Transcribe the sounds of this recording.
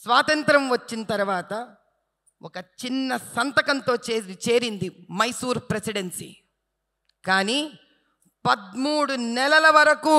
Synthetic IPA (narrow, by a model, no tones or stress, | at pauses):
sʋaːt̪ɐnt̪ɾɐmʋɐt͡ʃːinɐt̪ɐɾuʋaːt̪ɐ | ʔɔkɐt͡ʃinːɐsɐnt̪ɐkɐnt̪o̞ːt͡ʃe̞ːɾind̪imɐjsuːɾpɾesiɽensḭ | kaːniː | pɐd̪muːɽunɛlɐlɐʋɐɾɐku